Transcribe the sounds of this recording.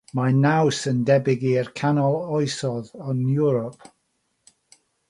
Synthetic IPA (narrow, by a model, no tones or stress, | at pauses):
manawsəndɛbɪɡiərkʰanɔlˠɔjsɔðɔnjʊɹɔp̚